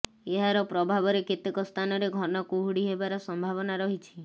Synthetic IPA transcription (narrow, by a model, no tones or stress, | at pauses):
eɦaɾɔpɾɔbʱabɔɾeket̪ikɔst̪ʰanɔɾeɡʱɔnɔkuɦuɽiɦebaɾɔsɔmbʱaβɔnaɾɔɦit͡ʃʰi̥